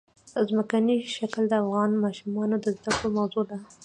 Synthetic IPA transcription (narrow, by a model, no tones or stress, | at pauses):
əzməkaniʃakld̪əafɣɑnmɑʃumɑnod̪əzd̪akɽomawzod̪a